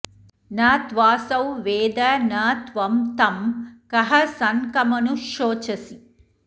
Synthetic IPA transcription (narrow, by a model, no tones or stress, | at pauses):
naːt̪ʋaːsɐwʋeːd̪ɐnaːt̪ʋɐmt̪ɐmkɐɦɐsɐnkɐmɐnuʃoːt͡ʃɐsi